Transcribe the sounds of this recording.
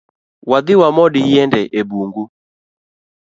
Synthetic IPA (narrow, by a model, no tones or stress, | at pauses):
wad̪ɪwamɔɗijɛndɛʔebuŋɡu